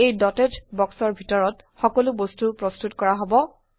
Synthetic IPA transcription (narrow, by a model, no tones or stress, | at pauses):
ejdɔtetbɔksɔɹbʱitɔɹɔt | xɔkɔlʊbostupɹɔstutkɔɹaɦobɔ